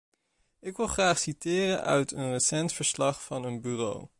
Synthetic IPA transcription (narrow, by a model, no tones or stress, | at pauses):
ɪkʋɪlˠχraːχsitɪːrənʔœ̰ɥtʰənrəsɛntfəɹslɑχfɑnənbyːro̰w